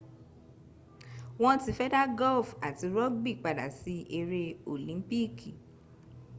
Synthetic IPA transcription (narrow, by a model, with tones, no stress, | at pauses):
w̃ɔ̃˧ti˧fɛ˦da˦ɡɔ˦lfa˨ti˨˧ɾɔ˦ɡ̚bi˦˨k͡pa˨da̰˨si˧˦e˧ɾe˧o˨lĩ˨˦m˦pi˦kʰi˨